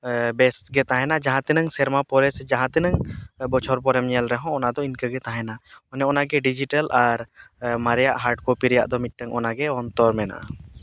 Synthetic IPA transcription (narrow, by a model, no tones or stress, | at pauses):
bɛsʈɡɛt̪aɦɛnad͡ʒaɦãt̪ɛnəŋsɛɾmapɔɾɛsd͡ʒaɦãt̪ɛnəŋbɔt͡ʃʰɔɾpɔɾɛmɲɛlɾɛɦɔ̃ɔnad̪ɔinkəɡɛt̪aɦɛnaɔnɛɔnaɡɛɖid͡ʒiʈəlaɾmaɾjaʔɦaɾɖkopiɾja̰ʔd̪ɔmit̪̚ʈəŋɔnaɡɛɔnt̪ɔɾmɛna̰ʔ